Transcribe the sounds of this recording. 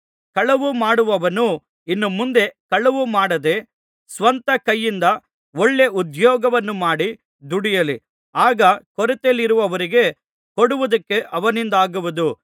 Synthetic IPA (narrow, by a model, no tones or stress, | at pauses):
kɐɭɐʋumaːɽuʋɐʋɐnu | inːumund̪e̞kɐɭɐʋumaːɽɐd̪e | sʋɐnt̪ɐkɐjːind̪ɐ | oɭːe̞ud̪jɔːɡɐʋɐnːumaːɽi | d̪uɽijɐli | aːɡɐkɔɾɛt̪elːiɾuʋɐʋɐɾiɡe̞ | koɽuʋɐd̪ɐkːe̞ʔɐʋɐnind̪aːɡuʋud̪u